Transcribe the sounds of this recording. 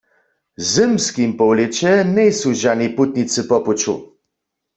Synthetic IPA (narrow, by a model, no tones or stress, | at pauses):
zɘmskimpɔwlɛt͡ɕɛnɛjsuʒaniput̪̚nisɨpɔput͡ʃṵ